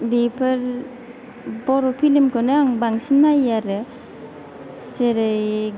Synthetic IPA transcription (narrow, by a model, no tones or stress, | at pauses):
bipʰɯɾ | bɔɾɔpʰilimkɯnɯaŋbaŋsinːajaɾɯ | seɾɯj